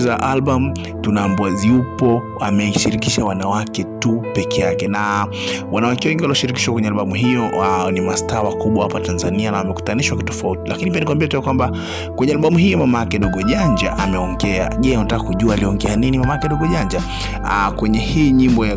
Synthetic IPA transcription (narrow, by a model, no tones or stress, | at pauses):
zaʔalɓamu | tunaːmbuaziupɔ | amɛʃiɾikiʃawanawakɛtupɛkʰɛjakɛna | wanawakɛwɛŋɡiwaliɔʃiɾikiʃwakwɛɲɛalɓamuɦijɔnimastaːwakuɓwahapatanzanianawamɛku̥taniʃwakitɔ̥fautilakinip̬ianikuwambiɛtɛakwamba | kwɛɲɛalɓamuɦijɔmamaakɛɗɔɡɔʄaɲd͡ʒa̰ʔamɛɔŋɡɛa̰ʄɛuntakakuʄuaːliɔŋɡɛaninimamaakɛɗɔɡɔʄaɲd͡ʒa | kwɛɲɛhiɲimbɔja